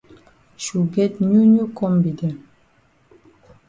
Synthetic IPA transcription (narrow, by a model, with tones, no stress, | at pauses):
ʃu˨ɡɛ˦t̚ɲu˦ɲu˦kɔ˦mbi˨dɛ˨